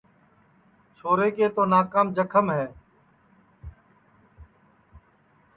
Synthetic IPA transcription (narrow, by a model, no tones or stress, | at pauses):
t͡ʃʰoːɾeːkeːt̪oːnaːkaːmd͡ʒəkʰəmɦɛː